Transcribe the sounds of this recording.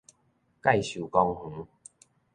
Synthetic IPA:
ka˥˨jɕu˨˩kɔ˧ŋh̩˨˦

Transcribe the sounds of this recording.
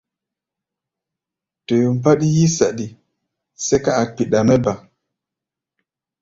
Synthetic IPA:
tɔ˨ju˨mba˦ɗi˦ji˦sa˨ɗi˨ | sɛ˦ka˦a˨k͡pi˨ɗa˨mɛ˦ba˨

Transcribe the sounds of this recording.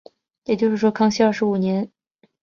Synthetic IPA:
jɛ˨˩t͡ɕjo˥˧ʊʂɻ̩˥˩ʂwɔ˥kʰɑ˥˧ŋɕi˥ɐ˞˥˩ʂɻ̩˧˥u˨˩njɛ˧˥n

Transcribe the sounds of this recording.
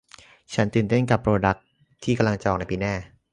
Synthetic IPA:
t͡ɕʰa˦˥nt̪ɯː˨˩nt̪e˥˩nka˨˩pʰːɾoː˧da˦˥k̚ | t̪ʰiː˥˩ka˧mla˧ŋt͡ɕɔː˨˩k̚na˧˥jpiː˧naː˥˩

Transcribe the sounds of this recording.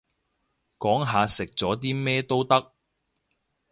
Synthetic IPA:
kɔː˨˥ŋɦaː˨˧sɪ˨k̚t͡sɔː˨˥t̪̬iː˥mɛː˥t̪o˥wt̪ɐ˥k̚

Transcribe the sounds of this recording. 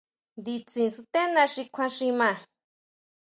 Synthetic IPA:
d̪i˧t͡sĩ˨su˧t̪ẽ˦nã˧ʂi˧kʷʰã˧ʂĩ˧mã˧

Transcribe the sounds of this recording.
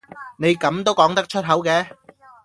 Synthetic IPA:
ne˨˧jkɐ˨˧˥mt̪o˥wkɔː˨˥ŋt̪ɐ˥k̚t͡ʃʰɵ˥t̚ɦɐ˨˥wkɛː˧

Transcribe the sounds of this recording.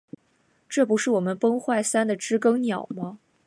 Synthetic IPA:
ʈ͡ʂɤ˥˩pu˧˥ʂɻ̩˥˩wɔ˨˩mə˦npɤ˥ŋxwa˥˩ɪsa˥nd̪ə˨ʈ͡ʂɻ̩˥kɤ˥ŋnjɑ˨˩˦ʊmɐ˦

